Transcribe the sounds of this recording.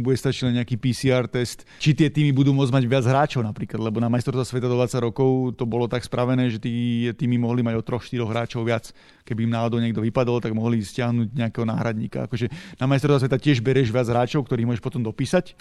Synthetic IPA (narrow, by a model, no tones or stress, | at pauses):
buɟɛst̪at͡ʃilɛɲɛakiːpiːsiːaːɾt̪ɛst̪ | t͡ʃit̪ɪɛt̪iːmibud̪uːmʊɔd͡zmaɟʋɪad͡zɦɾaːt͡ʃɔʊnapɾiːklad̪lɛbɔnamajst̪ɔɾst̪ʋasʋɛt̪ad̪ɔd̪ʋat͡saɟɾɔkɔʊt̪ɔbɔlɔt̪akspɾʔaʋɛnɛːʒɛt̪it̪iːmimɔɦlimaɟɔt̪ɾɔxʃt̪iɾɔɣɦɾaːt͡ʃɔʊʋɪat͡s | kɛbiːmnaːɔd̪ɔʊɲɛɡd̪ɔʋipad̪ɔlt̪aɡmɔɦliscɪaɦnuːɟɲɛakɛːɦɔna̰ːɦɾad̪ɲiːka̰a̰kɔʒɛnamajst̪ɔɾsʋasʋɛt̪acɪɛʒbɛɾɛʒʋɪad͡zɦɾaːt͡ʃɔʊkt̪ɔɾiːmɔʒɛʃpɔt̪ɔmd̪ɔpiːsac